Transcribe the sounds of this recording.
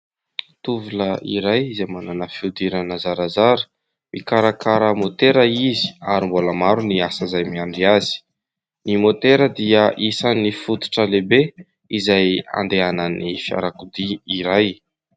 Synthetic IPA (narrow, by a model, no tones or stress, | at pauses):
t̪uvuləiɾajizajmananəfiud̪iɾanəzaɾazaɾə̥ | mikaɾakʰaɾəmot̪eɾəizi̥aɾimboləmaɾuniasəzajmiaɳɖ͡ʐiazi̥ | nimot̪eɾəd̪iəʔisanifut̪u̥ʈ͡ʂəlebe | izaja̰nd̪eanənifja̰ɾakud̪iiɾaj